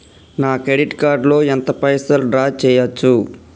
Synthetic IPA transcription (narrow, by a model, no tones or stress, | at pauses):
naːkɾeɖiʈkaːɾɖlo̞ːent̪ɐpɐjsɐlɖɾaːt͡ʃɛːjɐt͡ʃːu